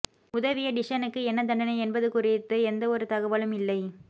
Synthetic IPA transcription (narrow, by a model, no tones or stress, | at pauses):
ʊðɐʋɪjɐɖɪʂɐnɯkːɯɛnːɐd̪ɐɳɖɐnɐɪɛnbɐðɯkʊrɪt̪ːɯɛnd̪ɐɔɾɯt̪ɐɣɐʋɐlɯmɪlːɐɪ